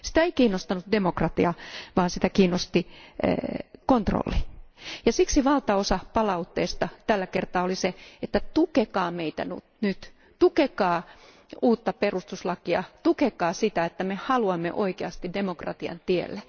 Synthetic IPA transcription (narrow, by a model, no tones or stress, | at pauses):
si̥t̪æeikiːnːost̪ɑnut̪demokrɑt̪iɑʋɑːnsit̪ækiːnost̪ḭ | kont̪ro̰lːijɑsiksiʋɑlt̪ɑosɑpɑlɑut̪ːeːst̪ɑt̪ælːækert̪ɑːoliseet̪ːæt̪ukekɑːmeit̪æ̰nṵtnyt̪ | t̪ukekɑː | uːt̪ːɑperust̪uslɑkiɑ̰t̪ukekɑːsit̪æet̪ːæmehɑluɑmːḛʔo̰ikeɑst̪idemokrɑ̰t̪iɑ̰nt̪iḛlːæ